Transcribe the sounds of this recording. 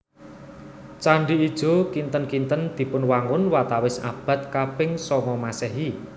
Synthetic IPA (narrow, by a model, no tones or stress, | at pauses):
t͡ʃaɳɖiːd̥ʒ̥o̤kint̪ənkint̪ənd̪̥i̤pʊnwaŋʊnwat̪awɪsa̰b̥ä̤t̪̚kapɪŋsɔŋɔmasɛɦi